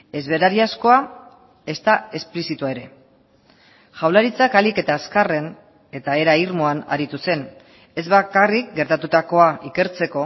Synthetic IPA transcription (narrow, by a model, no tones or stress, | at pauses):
e̞zβe̞ɾaɾiasko̞a | e̞st̪ae̞splisit̪uae̞ɾe̞ | ʝawlaɾit͡sakalike̞t̪aːskare̞n | e̞t̪ae̞ɾaiɾmo̞ana̰ɾit̪use̞n | e̞zβakarik̚ɡe̞ɾt̪at̪ut̪ako̞aʔike̞ɾt͡se̞ko̞